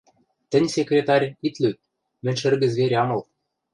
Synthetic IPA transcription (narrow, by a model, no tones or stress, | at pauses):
t̪ɘ̆nʲsʲekrʲet̪ɑrʲit̪lø | mɘ̆nʲʃɘ̆rɣɘ̆zβʲeɾʲɑmɤ̆l